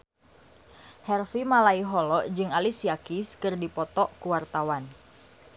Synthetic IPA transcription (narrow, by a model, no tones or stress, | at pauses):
hɛrfimalaiɦɔlɔʔd͡ʒɨŋalisiakiskɨrdipɔt̪ɔʔkuwart̪awan